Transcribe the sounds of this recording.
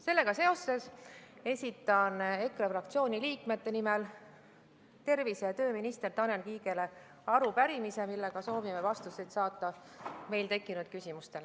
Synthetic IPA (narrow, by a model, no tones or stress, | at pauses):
se̞lːe̞ɡ̥ɑse̞o̞sːe̞se̞sʲit̪ːˑɑne̞krɑfrɑk̚t̪sio̞ːnʲiliːkme̞t̪ːe̞nimel | t̪e̞rvisejɑt̪ø̞ːminist̪e̞rt̪ɑnenkiːɡe̞le̞ | ɑɾupæɾimise̞milːe̞ɡ̥ɑso̞ːvimevɑst̪uset̪sɑːt̪ːˑɑme̞jlt̪e̞kːˑinud̪̥̚kysʲimust̪e̞l